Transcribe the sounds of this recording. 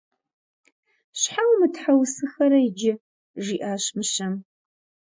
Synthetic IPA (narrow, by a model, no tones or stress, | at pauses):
ɕħawmɨtħawsɨxɐɾɐjɪd͡ʒɪ | ʒiːʔaːɕmɨɕɐm